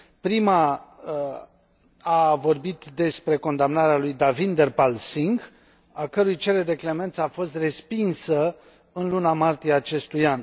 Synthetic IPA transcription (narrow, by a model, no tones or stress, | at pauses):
pɾima | avo̞rbit̪d̪e̞spɾe̞ko̞nd̪amnaɾealujd̪avind̪erpalsiŋɡ | akəɾujt͡ʃe̞ɾed̪e̞kle̞me̞nt̪səafo̞st̪re̞spinsə | ɨnlunamart̪ijeaːt͡ʃe̞st̪ujan